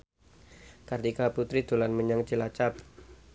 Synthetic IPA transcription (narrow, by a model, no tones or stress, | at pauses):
kart̪ikaput̪ɾid̪̥o̤lanməɲaŋt͡ʃilat͡ʃap̚